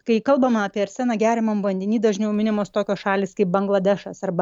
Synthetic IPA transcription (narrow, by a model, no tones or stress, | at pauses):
kɐɪkɐlˠbɐmɐɑːpʲiɛɪɾʲsʲænɐɡʲæːɾʲɪmɐmʋɐnʲdʲɪnʲiːd̪ɐʒʲnʲɛʊmʲɪnʲɪmoːst̪oːkʲoːsʃɑːlʲiːskɐɪp̚bɐŋɡlˠɐd̪ʲɛʃɐsɐrbɐ